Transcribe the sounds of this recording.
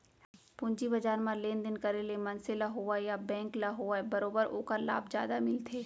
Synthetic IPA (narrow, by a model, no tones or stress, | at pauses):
pʊ̃ɲd͡ʒibɐd͡ʒaːɾmãleːnd̪ɪnkɐɾelemɐnselaɦoːʋajabɛ̃ːŋklaɦoabɐɾoːbəɾo̰ːkəɾla̰ːbd͡ʒja̰ːd̪amɪlt̪ʰeː